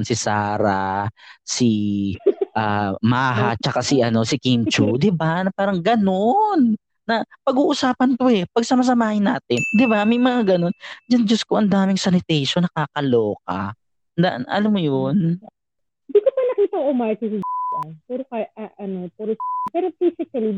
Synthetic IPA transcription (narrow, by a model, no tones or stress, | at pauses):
nsɪsaːɾa | si | ʔamaːɦa̰t͡ʃɐkasiʔɐno̞sɪkint͡ʃud̪ɪbanɐpaːɾɐŋɡɐno̞nː | ɐpɐɡuːʔʊsaːpɐnk̪oɛpɐɡ̚sɐmɐs̬ɐmaːhɪnːa̰ːt̪ɪnd̪ɪbamɐjmɐŋaɡɐno̞nd͡ʒɐnd͡ʒoskoŋʔɐnd̪aːmɪŋsɐnɪt̪ɛjʃonɐkaːkɐloːk̚a̰ | nd̪a̰ʔnʔɐ̰lamːojon | ɪnd̪iːkopɐnɐkiːt̪ɐŋomaɹkɪsɪd͡ʒɐnpɛɾokaʔɐɐnopɛːɾopɛːɾofisɪkɐli